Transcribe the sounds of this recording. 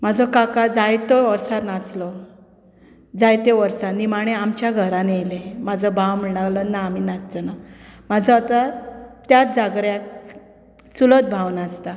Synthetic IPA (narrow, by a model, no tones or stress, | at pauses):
mad͡zʱɔkakad͡zajt̪ɔʋəɾsat̪nat͡slɔ | d͡zajt̪eʋəɾsanimaɽ̃eamt͡ɕjaɡʱəɾanejlemad͡zʱəbʱawm̤əɳalɔnaːminat̪t͡sənamad͡zʱɔat̪at̪jat̪̚d͡zaɡɾjak | sulət̪̚bʱawnast̪a